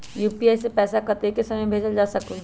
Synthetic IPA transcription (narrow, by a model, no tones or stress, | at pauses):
juːpiaːjsepɛːsakɐɾt̪ekesɐməjbʱeːd͡ʒəld͡ʒaːsɐku